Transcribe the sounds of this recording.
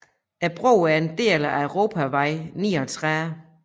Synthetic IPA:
æb̥ʁo̰ːæɐe̝nd̥e̝̰ːlæʁo̝ːpʰæʋɑ̈ɪ̰niːɒt͡sʰʁɛ

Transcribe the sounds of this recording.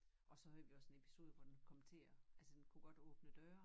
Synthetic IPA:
ʔɒ̽sɒ̽høð̰ʋiɒ̽se̝nepʰi̥so̝ːð̞ˠəʋɒd̥enkʰɒ̽mənt͡sʰe̝̰ːɐælsəd̥enkʰuɡ̥ɒ̽d̥ɔ̽ːb̥nəd̥ɶːɐ

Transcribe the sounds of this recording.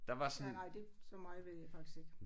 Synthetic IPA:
d̥ɑ̈ʋɑ̈sɔnenɑɪ̰d̥e̝sɒmɑ̈ɪʋe̝ð̰ˠjɑɪfɑ̈ɡ̥d̥i̥sɡ̥e̝ɡ̥

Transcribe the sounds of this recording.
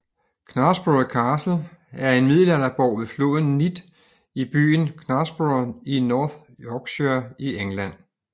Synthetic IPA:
kʰnɑ̈sb̥ukʰɑːsl̩æɐe̝nmið̞̰ˠlænɐb̥ɒʊ̰ʋe̝flo̝̰ːðˠn̩nid̥ | ib̥y̰ːnkʰnɑsb̥uninɒːð | jɒɡ̥ɕæieŋlæn̰

